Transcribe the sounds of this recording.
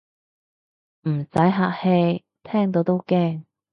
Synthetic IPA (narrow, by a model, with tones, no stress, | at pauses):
m̩˨˩sɐ˨˥jɦaː˧k̚he˧j | t̪ʰɛː˥ŋt̪o˨˧wt̪o˥wkɛː˥˩ŋ